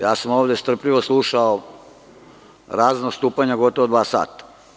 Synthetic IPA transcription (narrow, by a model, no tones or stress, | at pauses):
jaːsamoːʋd̪est̪r̩pʎiʋoslˠuʃao | ɾaːznast̪uːpaɲaɡo̞t̪oʋod̪ʋaːsa̰ːt̪ḁ